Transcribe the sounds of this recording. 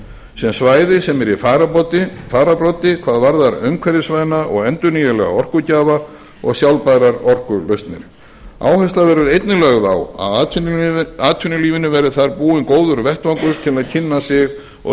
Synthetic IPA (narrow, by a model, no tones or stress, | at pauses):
sɛmsvaːjðɪsɛmɛɾifaɾapɔt̪ɪfaːɾapɾɔt̪ɪkʰvaːðvaɾðaɾœ̰ɥŋkʰvɛɾɪsvajnaʔɔɣɛnt̪ʏnijɛlɛ̰ɣa̰ɔr̥kʏcaːva | ɔ̰ɣsjawlpaɾaɾɔr̥kʏlœɥst̪nɪ̰ɾ̥ | a̰ːwhɛst̪lavɛɾʏɾejt̪nɪlɛːɣðawa̰ð | aːt̪ʰʏnʏliːvɪnʏvɛɾʏθaɾpuːɪnkoːwðʏɾvɛht̪vaŋkʏɾ̥t̪ʰɪlaðcʰɪnːasɪɣ | ɔ̰